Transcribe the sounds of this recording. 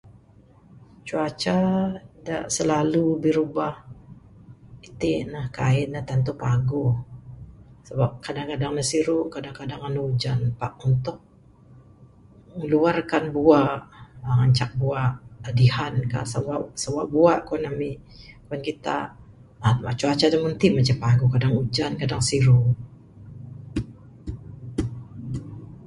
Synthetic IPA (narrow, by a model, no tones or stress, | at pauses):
t͡ʃuat͡ʃada̰ʔsəlalubiɾubah | it̪inahkaɪnaht̪ant̪upaɡʊ | səbap̚kadaŋkadaŋnasiɾuʔkadaŋkadaŋanud͡ʒanpaʔunt̪ʊk̚ | məluarkanbuaʔəŋaɲt͡ʃak̚buaʔadihanka̰sawasawaʔbuaʔkuanami | kuankit̪a̰ | amat͡ʃuat͡ʃadamunt̪imat͡ʃapaɡukadaŋud͡ʒankadaŋsiɾu